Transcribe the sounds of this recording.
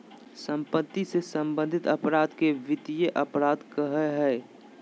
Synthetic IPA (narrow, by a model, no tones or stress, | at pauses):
sə̃mpət̪ːisesə̃mbə̃nd̪ʱɪt̪ɐpɾaːd̪keʋɪt̪ijeʔɐpɾaːd̪kəɦəɦɛː